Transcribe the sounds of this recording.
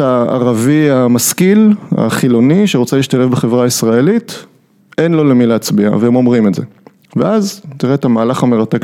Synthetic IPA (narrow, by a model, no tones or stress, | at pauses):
aa̰ʁaviamaskila̰χilo̞niʃeʁot͡seliːʃtale̞fbeχe̞vʁaisʁae̞lit | e̞nlo̞lemileːt͡sbia̰veemo̞mʁimetzḛ | veʔazt̪iʁetamaːlaχame̞ʁatek